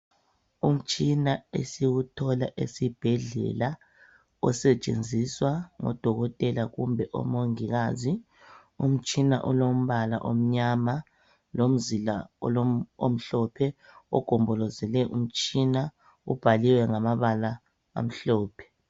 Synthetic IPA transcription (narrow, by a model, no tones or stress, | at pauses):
um̩t͡ʃʼinaesiwutʰɔlaʔḛsib̥ʱɛɮɛ̰la | ɔsɛt͡ʃʼend͡zʱiswaŋɔ̰d̥ʱɔɣɔtʼɛlaɣumbʱɛʔɔ̰moŋiɣaːzi | um̩t͡ʃʼina̰ʔɔlom̩βala̰ʔom̩ɲama | lom̩zila̰ɔ̰lo̰m̩ɬɔpʰɛɔ̰ɡ̥ʱɔmbʱɔlɔzɛlɛʔum̩t͡ʃʼina | ub̥ʱaliwɛŋamaβala̰ː | m̩ɬɔːpʰɛ̥